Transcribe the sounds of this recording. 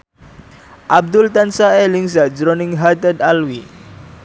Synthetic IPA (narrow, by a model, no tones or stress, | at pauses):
ʔab̚d̪ʊlt̪ansaelɪŋsaʔd͡ʒɾɔnɪŋɦat̪ədalwi